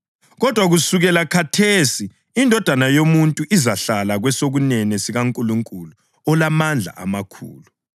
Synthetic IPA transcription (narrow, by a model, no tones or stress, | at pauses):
ɣɔd̥ʱwaɣusuɣɛlakʰatʰesiː | ndʱɔd̥ʱanajomuntʼuʔizaɬalaɣwɛsoɣunɛnɛsiɣaŋkʼuluŋkʼulu | ɔlamand͡ɮʱa̰ʔa̰makʰṵːlu